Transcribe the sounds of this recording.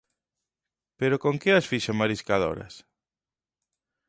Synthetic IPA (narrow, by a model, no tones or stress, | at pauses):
peɾokoŋkɪasfiʃomaɾiskaðo̰ɾɐ̰s